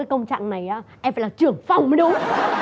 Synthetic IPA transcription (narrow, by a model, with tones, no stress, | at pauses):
əː˨˦jkə˧wŋ͡mt͡ɕa̰ː˧˨ŋna˨˩jʔaː˨˦ʔɛ˧mfaː˧˩laː˨˩t͡ɕɨ˨˩əŋfa˨˧˩wŋ͡mməː˨˦jɗu˨˦